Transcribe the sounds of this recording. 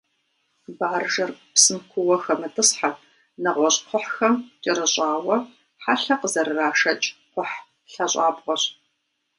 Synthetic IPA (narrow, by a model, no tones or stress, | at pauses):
baːrʒɐrpsɨnkʷʰʊwɐxɐmɨtʰɨsħar | nɐʁʷɔɕʼqʷʰʊħxɐmt͡ʃʼɪɾɨɕʼaːwɐ | ħaɬɐqəzɐɾɨraːʃɐt͡ʃʼqʷʊħ | ɬɐɕʷʼɑ̰ːpʼqʷʼɔɕ